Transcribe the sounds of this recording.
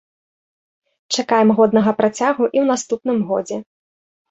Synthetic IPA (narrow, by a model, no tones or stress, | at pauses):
t͡ʂakajɛmɣɔd̪nɐɣɐpɾat͡sʲaɣuʔiwnast̪upn̪ɨmɣɔ̰d͡zʲɛ